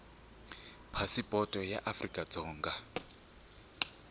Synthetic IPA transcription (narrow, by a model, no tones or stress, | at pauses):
pʰasipʼɔtʼɔja̰ʔafrikʼad͡zɔːŋɡa